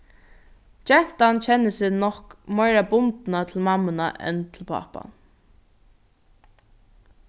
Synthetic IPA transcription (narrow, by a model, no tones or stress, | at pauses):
t͡ʃɛn̥t̪ant͡ʃʰɛnːɪsɪnɔhkmɔjɾabʊnt̪nat̪ʰɪlmamːɪnaʔɛ̰nt̪ʰɪlpʰa̰pa̰n